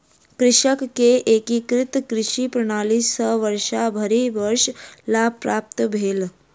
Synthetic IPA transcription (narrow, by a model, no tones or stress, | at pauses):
kɾɪʃəkːeʔekikɾɪt̪kɾɪʃipɾəɽ̃aːlisəʋəɾʃabʱəɾiʋəɾʃlapɾaːp̚t̪əbʱeːl